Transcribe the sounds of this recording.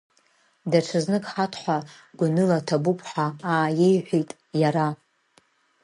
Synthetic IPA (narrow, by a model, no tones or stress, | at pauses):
daʈ͡ʂʰaznɨkʼħatʰħʷa | ɡʷʊnɨlatʰabupʰʼħaaːjejħʷᶣijtʼ | jaɾa